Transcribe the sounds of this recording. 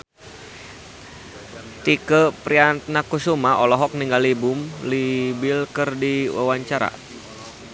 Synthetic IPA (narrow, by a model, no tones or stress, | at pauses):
t̪ikəpɾiat̪̚nakusumaʔɔlɔɦɔk̚niŋɡalibʊmlibilkərdiwa̰waɲt͡ʃaɾa̰